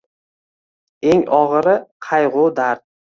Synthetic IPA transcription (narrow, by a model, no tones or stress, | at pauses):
eŋɒʁɾɪqʰɑjʁʊd̪aɾd̪̚